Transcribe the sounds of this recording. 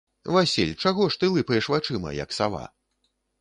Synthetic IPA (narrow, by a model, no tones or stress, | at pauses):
vasʲilʲt͡ʂaɣɔʂt̪ɨlˠɨpɐjɛʂvat͡ʂɨmɐ̰jɐ̰ksava̰